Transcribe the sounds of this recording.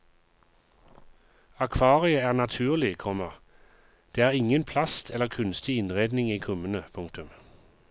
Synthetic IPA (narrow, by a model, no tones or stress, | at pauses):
ɑkʰʋɑːʁɪəæːʁnɑt̪ʰʉːʁlɪkʰɔməʁ | d̪̥eːæːʁɪŋənpʰlɑst̪ʰɛlːəʁkʰʉnst̪ɪɪnʁeːd̪nɪŋiːkʰʊmənəpʰʊŋkt̪ʉm